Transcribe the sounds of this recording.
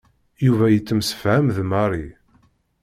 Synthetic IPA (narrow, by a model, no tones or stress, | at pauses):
juvæjət͡sːəmsə̥fʕæmðmɑɾˤi